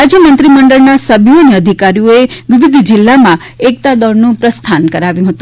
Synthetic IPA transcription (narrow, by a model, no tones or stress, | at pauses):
ad͡ʒjəmənt̪ɾiməɳɖəɭnasəbʱjoəneəd̪ʱikaɾijoeʋɪʋɪd̪ʱd͡ʒɪlːamã | ek̚t̪ad̪ɔɾnũpɾəst̪ʰankəɾaʋjũɦət̪ũ